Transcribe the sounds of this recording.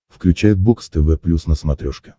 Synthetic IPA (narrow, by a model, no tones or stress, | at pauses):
fklʲʉt͡ɕæjʊt̪̚bukst̪ɛvɛplʲusnəsmɐt̪ɾʲoʂkʲɪ̥